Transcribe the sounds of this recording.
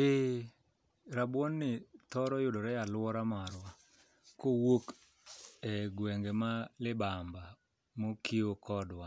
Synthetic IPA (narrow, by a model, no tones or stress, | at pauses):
e | ɾabwɔnːɪt̪ɔɾɔjʊdɔɾɛjalwɔɾamaɾwa | kowok | ɛɡwɛŋɡemalɪbamba | mokʰiokɔdwa